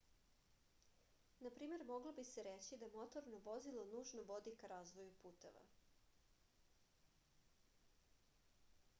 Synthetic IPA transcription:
napɾiːme̞ɾmo̞ɡlˠobiseɾet͡ɕid̪aemo̞t̪oɾnoʋozilˠonuːʒnoʋo̞d̪ikaɾaːzʋo̞jupuːt̪ḛʋa̰

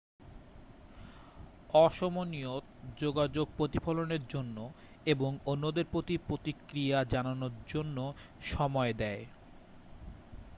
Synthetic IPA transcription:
ɔʃomoniot̪d͡ʑoɡad͡ʑoɡ̚pɾot̪ifʰoloneɾd͡ʑonːo | eboŋonːod̪eɾpɾot̪ipɾot̪ikɾiad͡ʑananoɾd͡ʑonːo | ʃɔmɔed̪ɛe

